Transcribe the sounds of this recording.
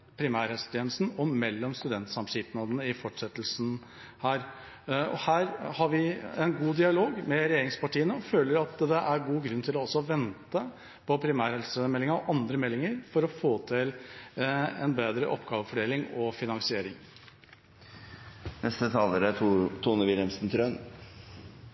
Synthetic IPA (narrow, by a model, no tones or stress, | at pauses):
pʰɾɪmæːɾhɛlst̪ʰjɛnəst̪n̩ɔmɛlːɔmst̪ʉd̪ɛnt̪sɑmʂɪːt̪nɑd̪ənəɪfɔʈʂɛt̪ːlsn̩ | hæːɾ | ɔ̰hæːɾhɑɾʋɪɛnɡuːd̪ɪɑloːɡmɛɾɛjeːɾɪŋspɑʈiːənəɔføːləɾɑt̪d̪ɛʔæɾɡuːɡɾʉnːt̪ʰɪlɔɔsːɔʋɛnt̪ə | pʰɔpʰɾɪmæːɾhɛlsəmɛlːɪŋəɔʔɑnd̪ɾəmɛlːɪŋəɾfɔɾɔfoːt̪ʰɪl | ɛ̰nbeːd̪ɾə̰ʔɔpːɡɑːʋəfɔɖeːlɪŋɔfɪnɑŋsɪeːɾɪŋ | nɛst̪ət̪ʰɑːləɾət̪ʰuːnəʋɪlɛmsn̩t̪ʰɾœn